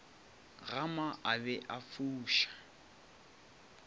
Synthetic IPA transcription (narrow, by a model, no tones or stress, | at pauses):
ɣamaʔabɛʔafuːʃḁ